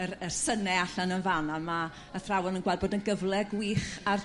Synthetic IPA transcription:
ərərsənɛaɬanənvananma | əθrawɛnənɡwaːd̚boːdənɡəvlˠɛɡwiːχar

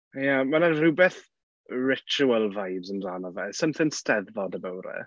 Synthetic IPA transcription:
jamanaruːbɛθ | ɹɪt͡ʃuəlˠvajbzəmzaːnɔvɛsəmθɪŋstɛðːɔdəbəwɾɛ̰

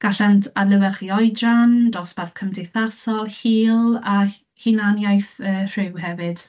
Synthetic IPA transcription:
ɡ̥aɬantʰadlˠəvɛrχiːɔjdrandɔsb̥arθkʰəmdejθarsɔlˠhiːlˠa | hinanjajθəːrrɪwhɛvɨd̥

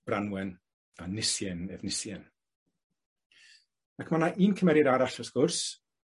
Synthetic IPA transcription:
b̥ranwɛn | anɪsjɛnɛvnɪsjɛn | akʰmanaʔiːnkʰəmɛɾɪdaɾaɬɔskʊrs

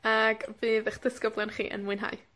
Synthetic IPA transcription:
aɡvɨːðɛχd̥əskəblˠanχḭːʔə̰nmʊɨnɦa̰j

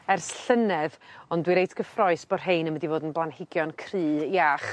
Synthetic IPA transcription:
ɛrsɬənɛvɔndwiɾejtʰɡ̥əfrɔɨsb̥ɔrɦeɨnəmədivoːdənblˠanhɪɡjɔnkʰriɨːjaχ

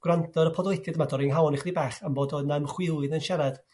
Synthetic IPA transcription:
ɡ̥wrantʰɔɾəpʰɔdletʰadmadɔɾɪŋɦawnɪχdibɛːχamboːdɔnamχwɪlˠɨðənʃɛɾɛd̥

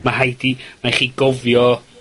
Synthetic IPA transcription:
maɦajdimaχiːɡɔvjɔ

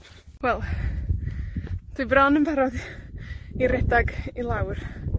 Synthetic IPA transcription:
wɛlˠ | d̥ubranənbɛɾɔð | iɾɛdaɡilˠawr

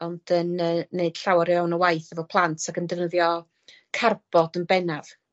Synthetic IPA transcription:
ɔnd̥ənəːeɨd̥ɬawaɾjawnəwajθəvɔpʰlˠantʰakəndɛvnəðjɔ | kʰarb̥ɔdənbɛnav

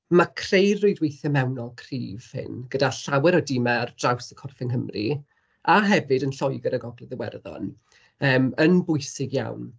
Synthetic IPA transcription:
makʰrejrojdwejθɛmɛwnɔlˠkʰrḭːv̥hɪ̰nɡ̥ədaɬawɛɾɔdɪmɛrd̥rawsəkʰɔrfɪŋɦəmrḭ | aɦɛvɨdənɬɔjɡəɾaɡɔɡlɪðəwɛ̰rðɔ̰n | əːmənbʊjsɪɡja̰wn

